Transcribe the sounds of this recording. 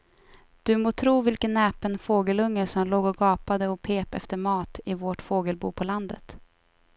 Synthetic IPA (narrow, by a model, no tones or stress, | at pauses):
d̪̥ɵmoːt̪ʰɾuːvɪlkənːɛːpənfoːɡəlɵŋːəʂɔmloːɡɔɡɑːpad̪əɔpʰeːpɛ̰ft̪əɾmɑːt̪ɪvoʈfoːɡəlbṵːpʰɔland̪ə̰t̪